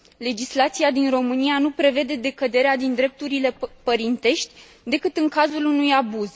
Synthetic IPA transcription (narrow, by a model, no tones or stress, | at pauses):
le̞d͡ʒislat̪siad̪inro̞mɨnianupɾe̞ve̞d̪e̞d̪e̞kəd̪e̞ɾead̪ind̪ɾe̞p̚t̪uɾile̞pəɾint̪e̞ʃt̪ʲ | d̪e̞kɨt̪ɨŋkazulunujabuz